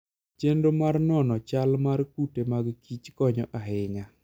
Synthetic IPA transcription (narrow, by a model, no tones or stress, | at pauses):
t͡ʃendomarnɔnɔt͡ʃalmarkutemaɡkit͡ʃkɔɲɔ̰ʔaɦɪŋa